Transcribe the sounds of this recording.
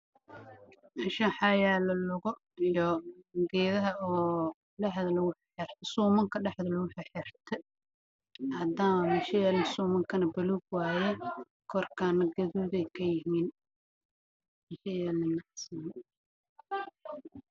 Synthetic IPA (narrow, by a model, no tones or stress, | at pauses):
ʔɪʃɐħɑjaːlɐlʊɣɔ | ijɔɡɛːðɐɦɐɔː | ɖɛħðɐlɐɣʊħħɛrt̪ʰɐsuːmɐŋkʰɐɖɛħðɐlʊɣʊħɛħɛrt̪ʰɛ | hɐd̪aːmɐmɪʃɐjɛːlɪnsuːmɐŋkʰɐnɐbɐluːɡwaːjɛ | kʰɔrkʰaːnːɐɡɐðuːðɛjkʰɐjɪɦiːn | mɪʃɐjɛːlɪnɐsɐm